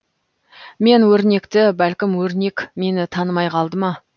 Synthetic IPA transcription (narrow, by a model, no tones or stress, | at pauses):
me̞nwɵɾne̞kt̪ɪbælkʲɪmwɵɾne̞kme̞nɪt̪ʰɑnəmɑjqʰɑlˠd̪əmɑ